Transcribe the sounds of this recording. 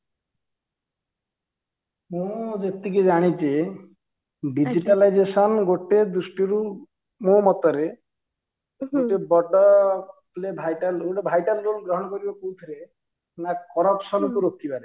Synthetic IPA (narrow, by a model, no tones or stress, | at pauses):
mũd͡ʒet̪iked͡ʒaɽ̃it͡ʃe | ɖid͡ʒiʈalajd͡ʒesɔnɡoʈed̪usʈiɾu | mõmɔt̪ɔɾe | ɡoʈebɔʈɔ | lebʱajʈanuɖebʱajʈanɾulɡɾɔɦɔnɔkoɾibakowt̪ʰiɾe | nakɔɾɔpsɔnɔkuɾokʰːipaɾe